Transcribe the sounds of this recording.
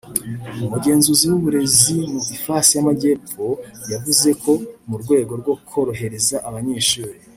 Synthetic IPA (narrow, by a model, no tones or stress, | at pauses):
umuɟe̞ːnzuziwuβuɾe̞zimuifaːsijamaɟe̞ːpo̞javuze̞kʰo̞muɾɡwe̞ːɡo̞ɾɡo̞kʰo̞ɾo̞ɦe̞ɾe̞zaʔaβaɲeːʃuːɾi